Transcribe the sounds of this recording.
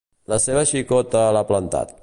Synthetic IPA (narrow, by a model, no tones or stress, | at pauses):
ləseβəʃikɔt̪əːləplənt̪a̰t̪̚